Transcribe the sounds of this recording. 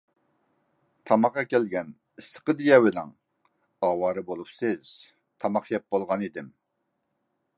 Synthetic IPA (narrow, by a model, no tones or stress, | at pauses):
t̪ʰɑmɑqːɑkʲɛlɡʲɛn | isə̥qəd̪ijɛwɪlɛŋ | ɑːwɑːɾɨbolˠupsɪz̥ | t̪ʰɑmɑqjɛp̚bolˠʁɑnid̪ɪm